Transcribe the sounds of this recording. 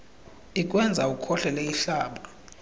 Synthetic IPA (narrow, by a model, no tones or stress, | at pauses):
ikʼwɛnd͡zʱaukʰɔɬɛleiɬaːɓa